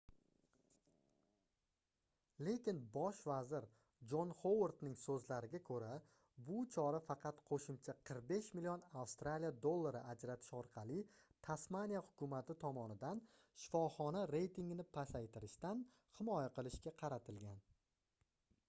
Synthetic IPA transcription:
le̞kʲɪnbɒʃvazɪɾ | d͡ʒonχowoɾt̪nɪŋsɵzlaɾɪɡʲakʰɵɾa | bʊt͡ʃʰɒɾafɑqʰɑt̪qʰoʃɪmt͡ʃʰaqʰɨɾq̚be̞ʃmɪlijonawst̪ɾalijad̪olˠːaɾɪʔad͡ʒɾat̪ʰɪ̥ʃɒɾqʰɑlˠɪt̪ʰasmanijahʊkʰʊmat̪ʰɪt̪ʰɒmɒnɪd̪an | ʃɪ̥fɒχɒnaɾe̞jt̪ʰiŋɡʲɪnɪpʰasajt̪ʰɪɾɪʃt̪an | hɪmɒjaqɨlˠɪʃkʲaqʰɑɾat̪ʰɪlɡʲan

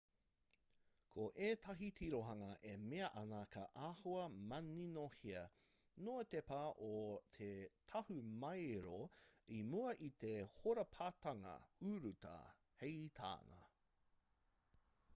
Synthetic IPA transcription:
kʰoʔeːtʰɐɦitʰiɾoɦɐŋɐʔemeɐʔɐnɐkʰɐʔaːhoɐmɐninohiɐ | not̪epaʔot̪ʰetʰɐhumɐjɾoimuɐʔit̪ehoɾɐpʰaːtɐŋɐ̰uɾutɐ̰ | hejt̪ʰa̰ːnɐ̰

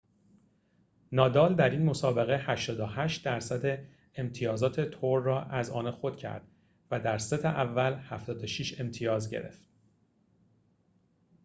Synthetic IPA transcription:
nɒːd̪ɒːld̪æɾiːnmo̞sɒːbe̞ɣehæʃt̪ɒːd̪ohæʃt̪̚d̪æɾsæd̪e̞ | emt̪ʰijɒːzɒːt̪ʰe̞t̪ʰoɾːɒːʔæzɒ̰ːnexo̞d̪̥cʰæ̰ɾd̪̥ | væd̪æɾset̪ʰeʔævːælhæft̪ɒːd̪oʃiʃe̞mt̪ʰijɒːzɟe̞̰ɾe̞̰ft̪

